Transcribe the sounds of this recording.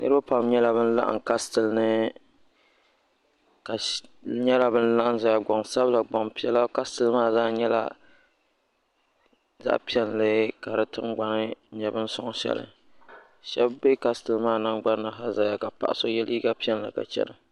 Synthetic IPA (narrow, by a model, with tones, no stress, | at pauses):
nɨ˦ɾɨ˦ba˦pa˨mɲɛ˦la˨bɨ˦n̩˦la̰˦ʔa̰˨ŋka˦stɨ˨lnɨ˦ | ka˨ɲɛ˦la˦˨bɨ˦n̩˦la˦ʔn˦za˨ja˨ɡ͡bɔ˨ŋsa˦bla˨ɡ͡bɔ˨ŋpi˦ɛ˦la˦ka˦stɨ˨lɨ˦maː˦˨zaː˦ɲɛ˦la̰˦ | za̰˦ʔpi˦ɛ˦nlɨ˦ka˨ɾɨ˦tɨ̰˦ŋɡ͡ba˨nɨ˦ɲɛ˨bɨ˦n̩˦sʊ˦ŋ˦ʃɛ̰˦lɨ̰˨ | ʃɛ˦bːe˦ka˦stɨ˨lmaː˦˨na˦ŋɡ͡ba˦nː˦ɨ˨ɦa˦za˨ja˦ka˨pa̰˨ʔa˨so˦jɛ˦liː˦ɡa˦pi˦ɛ˦n˨la̰˨ka̰˨t͡ʃɛ̰˦nɨ˨